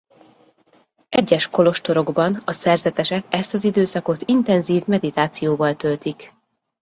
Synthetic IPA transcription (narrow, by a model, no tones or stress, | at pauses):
ʔɛɟːɛʃko̞lo̞ʃt̪o̞ɾo̞ɡbɒnɒsɛrzɛt̪ɛʃɛkɛst̪ɒzid̪øːsɒko̞t̪int̪ɛnziːvmɛd̪it̪aːt̪sijoːvɒlt̪ølt̪ik